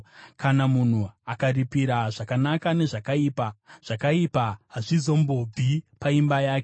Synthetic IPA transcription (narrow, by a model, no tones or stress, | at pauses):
kanamun̤uakaripiɾaʐakanakane̞ʐakaiːpaʐ̥akaipaɦaʐizo̞mbo̞b͡vʱipaimbajaːke